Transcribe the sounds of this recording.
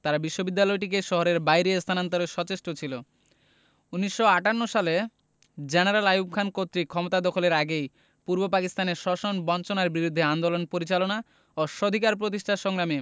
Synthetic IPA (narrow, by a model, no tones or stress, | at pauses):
t̪aɾabiʃːobid̪ːalɔeʈikeʃɔɦoɾeɾbajɾest̪ʰanant̪oɾeʃɔt͡ɕeʃʈot͡ɕʰilo | uniʃːoaʈanːoʃale | d͡ʑenaɾalajub̚kʰankot̪ːɾikʰɔmot̪ad̪ɔkʰoleɾaɡej | puɾbopakist̪aneɾʃɔʃonbɔnt͡ɕonaɾbiɾud̪ʱːeand̪olonpoɾit͡ɕalona | oʃod̪ʱikaɾp̬ɾot̪iʃʈʰaʃɔŋɾame